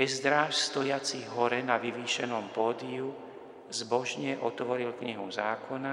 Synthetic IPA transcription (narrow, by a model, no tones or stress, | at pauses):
ɛzd̪ɾafst̪ɔjat͡siɦɔɾɛnaʋiʋiːʃɛnɔmpɔːd̪iu | zbɔʒɲɛʔɔt̪ʋɔɾilkɲiɦuzaːkʰɔna